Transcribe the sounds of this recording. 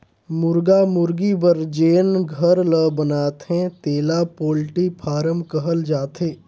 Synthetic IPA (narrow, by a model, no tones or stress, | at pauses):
mʊɾɡamʊɾɡibəɾd͡ʒeːnɡʱəɾləbənaːt̪ɦɛ̃t̪eːlapoːlʈipʰaːɾəmkəɦəld͡ʒaːt̪ɦeː